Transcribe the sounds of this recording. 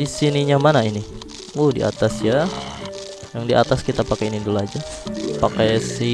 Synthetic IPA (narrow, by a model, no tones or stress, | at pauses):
isiniɲamanaini | uhdḭʔa̰t̪asja | jaŋdiʔat̪askit̪apakajinindulad͡ʒapakajsi